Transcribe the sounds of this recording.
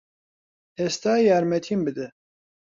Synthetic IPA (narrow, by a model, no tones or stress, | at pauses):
hɛst̪aːjaːɾmɛt̪ʰimbɨd̪ɨ